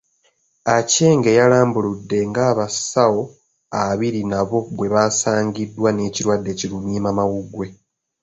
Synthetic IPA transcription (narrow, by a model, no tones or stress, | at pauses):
ace̞ːŋɡe̞jalaːmbuludːe̞ŋɡaːβasawo̞ | aβiɾinaβo̞βwe̞βaːsaːɲɟidːwane̞ːciɾwadːe̞cilumiːmamawuɡwe̞